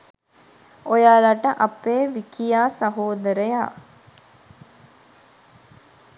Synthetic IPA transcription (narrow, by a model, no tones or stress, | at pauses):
ojaːlaʈəʔapeːʋikijaːsɐɦoːd̪əɾəja̰ː